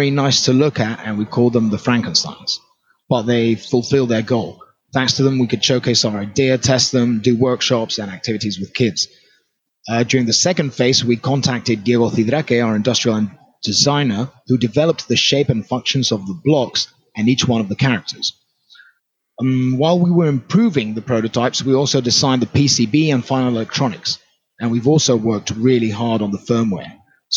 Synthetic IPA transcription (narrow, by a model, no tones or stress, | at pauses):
ɹinaɪstʰəlʊkəɾɨə̰̃nwikʰɔlˠðə̃mðəfɹæ̃ŋkə̃n̩sã̰ɪə̃ns | b̥ʌt̪̚ðeɪfʊlˠfɪlˠd̪̚ðə˞ɡoʊlˠ | θæ̃ŋkstʰəðə̃mwikɨd̥ʃoʊkʰeɪsəʊəɹaɪdɪətʰɛst̚ðə̃mdɨwɜ˞kʃɑpsə̃næk̚tʰɪvɨɾizwɨð̥kʰɪdz̥ | d͡ʒjɔːɹɪ̃ŋðɨsɛkə̃nd̥feɪswikʰɒ̃ntʰæk̚tɪd̚ɡiɛɡoθiðɾɛkeəʊə˞ɨ̃ndʌstɹ̥iəlˠə̃n | d̥ɪzãɪ̃nə˞hʉdɨvɛlˠəp̪̚ðɨʃeɪpɨ̃nfʌ̃ŋkʃɨ̃nzəvðəblɒks | ɨ̃niˑt͡ʃwʌ̃nʌvðəkʰæɹɪk̚tʰə˞z̥ | waɪlˠwiwə˞ɪ̃mpʰɹ̥ʉvɪ̃ŋðəpʰɹ̥oʊɾəʊtʰaɪpswiɔˑlˠsoʊdɨsãɪ̃nðəpʰisibiə̃nfãɪ̃nl̩ˠɪlɛk̚tʰɹ̥ɑnɪks | ʔə̃nwivɔˑlˠsoʊwɜ˞k̚t̚ʰɹɪlˠiɦɑɹɾn̩ðəfɜ̃˞mwɛ̰ɹ